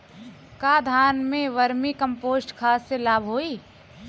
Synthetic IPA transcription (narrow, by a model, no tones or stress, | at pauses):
kaːd̪ʱaːnmẽʋəɾmikə̃mpoːsʈkʰaːsːelaːbʱɦoːiː